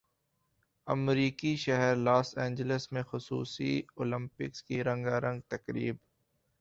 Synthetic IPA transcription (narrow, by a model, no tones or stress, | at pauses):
ɐmɾiːkiʃɛɦɛɾlaːsɛ̃ːɲd͡ʒələsmẽxʊsṵːsḭoːlɪ̃mpɪkskiɾɐ̃ŋɡaɾə̃ŋɡ̚t̪ɐkɾḭːb